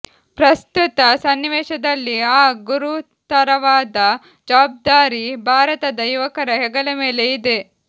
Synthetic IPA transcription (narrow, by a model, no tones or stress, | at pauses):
pɾɐst̪ut̪ɐsɐnːʋeːʃɐd̪ɐlːiaːɡuɾu | t̪ɐɾɐʋaːd̪ɐ | d͡ʒɐʋaːb̚d̪aːɾibʱaːɾɐt̪ɐd̪ɐjuʋɐkɐɾɐɦɛɡɐlɐmeːle̞id̪e